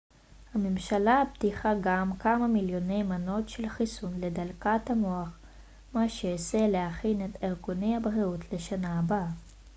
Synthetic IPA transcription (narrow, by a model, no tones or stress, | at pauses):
hamemʃalabtiχaɡamkamamiljo̞ne̞jmano̞tʃelχisunle̞dalkathamoaχ | maʃeoselehaχine̞teʁɡune̞jhabʁiutʰle̞ʃanaːba